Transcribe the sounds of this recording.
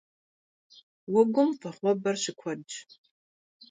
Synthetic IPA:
wʊɡʷʊmfɐχʷɔbɐrɕɪkʷʰɔd͡ʒ

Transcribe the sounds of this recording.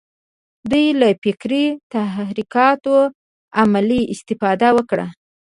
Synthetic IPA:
d̪ujlafɪkɾit̪aɾikɑt̪o | amaliɪst̪ɪfɑd̪awəkɽa̰

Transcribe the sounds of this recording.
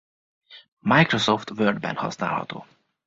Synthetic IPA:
majkɾosoft̪vørd̪bɛ̰nhɒ̰sna̰ːlhɒ̰t̪o̰ː

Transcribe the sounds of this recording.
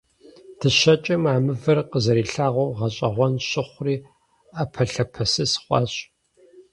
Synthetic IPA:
tʰɨɕɐt͡ʃʼɐmaːmɨvɐrqəzɐɾiːɬaːʁʷowʁɐɕʼɐʁʷɔnɕɪχʷriː | aːpʰɐɬɐpʰɐsɨsχʷɑ̰ɕʼ

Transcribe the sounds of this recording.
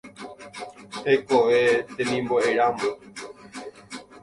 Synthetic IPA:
hejkoʋet̪ẽmĩmboeɾamõ

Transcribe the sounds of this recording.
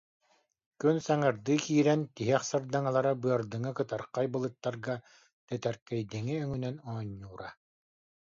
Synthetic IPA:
kynsaŋɯɾd̪ɯːkiːɾɛnt̪iɦɛχsaɾd̪aŋalˠaɾabɯɐɾd̪ɯŋɯkɯt̪aɾqajbɯlˠɯt̪ːaɾɡa | t̪ɛt̪ɛɾkɛjd̪iŋiœŋynɛnɔɔɲːuːɾa

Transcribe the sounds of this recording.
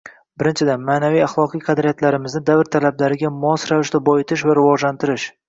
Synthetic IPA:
bɪɾɪnt͡ʃʰɪd̪anmaːnavijaχlˠɒqʰɨjqʰɑd̪ɾijat̪ʰlaɾɪmɪznɪd̪avɾt̪ʰalablaɾɪɡʲamɒsɾavɪʃd̪abɒjɪt̪ʰɪʃvaɾɪvɒʒlant̪ʰɪɾɪʃ

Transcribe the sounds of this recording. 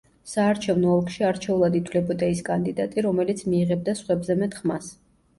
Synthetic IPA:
saːɾt͡ʃʰɛvnɔːlˠkʰʃiaɾt͡ʃʰɛulˠad̪it̪ʰvlɛbɔt̪ʼɛiskʼand̪id̪at̪ʼiɾɔmɛlit̪sʰmiːʁɛb̚d̪asχwɛbzɛmɛt̪ʰχmas

